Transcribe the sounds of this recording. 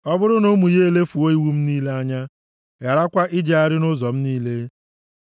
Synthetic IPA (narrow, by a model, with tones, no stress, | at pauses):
ɔ˦bʊ˦ɾʊ˦no˦mu˨je˦e˦le˦fu˨o˦i˦wu˦m̩˦niː˦le˦a˦ɲa˦ | ja˨ɾa˦kʷa˦ʔɪ˦d͡ʒe˦a˦ɾɪ˦nʊ˦zɔ˨m̩˦niː˦le˦